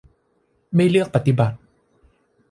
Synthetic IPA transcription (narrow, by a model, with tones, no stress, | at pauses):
ma˥˩jlɯ˥˩ək̚pa˧t̪ːi˨˩ba˨˩t̪̚